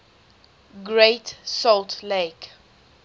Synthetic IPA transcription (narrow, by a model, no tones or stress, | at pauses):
ɡɹetsɔltʰlek